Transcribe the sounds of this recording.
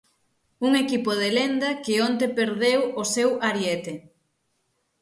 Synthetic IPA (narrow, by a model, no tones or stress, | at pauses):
uŋekipoð̞elend̪ɐkɪont̪epeɾðewosewaɾjet̪e